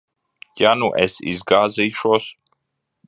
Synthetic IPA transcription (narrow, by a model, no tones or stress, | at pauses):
januʔɛsḭzɡaːzijʃuɔs